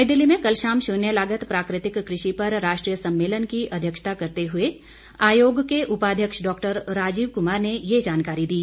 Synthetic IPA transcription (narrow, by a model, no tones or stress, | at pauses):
jd̪ɪlːimẽkɐlʃaːmʃʊnjəlaːɡət̪pɾaːkɾɪt̪ɪkːɾɪʃipɐɾɾaːʃʈɾiːjəsɐ̃mːeːlənkiʔɐd̪ʱjəkʃt̪akɐɾt̪eɦʊe | aːjoːɡkeʔʊpaːd̪ʱjəkʃɖɔːkʈəɾɾaːd͡ʒiːʋkʊmaːɾnejed͡ʒaːnkaːɾid̪iː